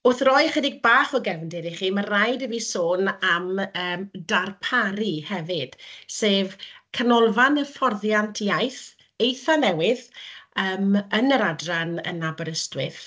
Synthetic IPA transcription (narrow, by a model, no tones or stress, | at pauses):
ʊθrɔjχədɪɡ̚baːχɔɡɛvndɪɾiχiːmarajdəviːsoːnaməːmdarpʰaɾihɛvɪd̥seːvkʰanɔlˠvanəfɔrðjantʰijajθ | ejθanɛwɪðəːmənəɾadranə̰nːabɔɾəstwɪθ